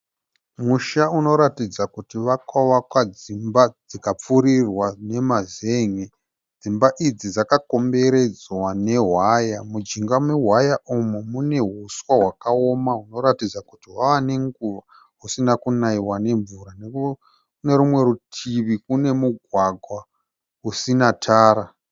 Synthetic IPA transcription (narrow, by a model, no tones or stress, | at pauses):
muʃauno̞ɾatid͡zakutiʋakaʋakwad͡zimbad͡zikap͡fuɾirwane̞mazeːŋe | d͡zimbaʔid͡zid͡zakako̞mbe̞ɾe̞d͡zwane̞ɦwajamud͡ʒiŋɡamweɦwajaʔumumune̞ɦuswaɦwakao̞maɦuno̞ɾatid͡zakutiɦwaʋane̞ŋɡuʋa | ɦusinakunaiwane̞ɱvuɾane | ne̞ɾumwe̞ɾutʰiʋikune̞muɡʱwaɡʱwa | usinatʰaːɾa